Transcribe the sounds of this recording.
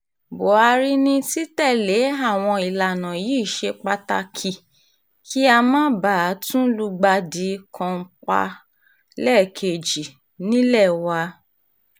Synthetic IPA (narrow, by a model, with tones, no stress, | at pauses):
bo˨a˧ɾi˦nĩ˧˦ti˦tɛ˦˨le˨˦a˦˨w̃ɔ̃˧i˨la˨nã˨ji˦˨ʃe˧k͡pa˧ta˧kʰi˨ | ki˦a˧mãː˦ba˦˨a˨˦tũ˦lu˧ɡ͡ba˧di˨˦kʰã˧˦k͡pa̰˧ | lɛ˦˨kʰe˧˨d͡ʒi˨ | nĩ˦lɛ˦˨wa˧